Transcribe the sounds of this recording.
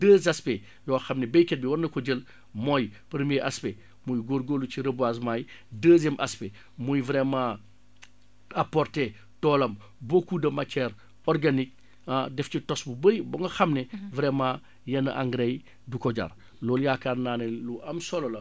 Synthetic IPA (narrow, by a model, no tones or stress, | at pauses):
d̥əːzɐspe | jɔːxɐmnɛbɛjkɛt̚biwɐrnɐkɔɟəl | mɔjpəɾmiɛʔaspe | mujɡoɾɡoluciɾɐbwaːs̬maːjdəːzɛmʔɐ̰spe | mujvɾɛma | apɔrtɛ | tɔːlɐm | bokudɐmatɛɾ | ɔrɡanik̚ | adɛfcitɔsbubəjbɐŋɡɐxɐmnɛvɾɛma | jɐnɐʔa̰ŋɡɾej | dukɔɟa̰ːr | lɔːljaːkaːrnaːnɛluɐmsɔlɔlɐ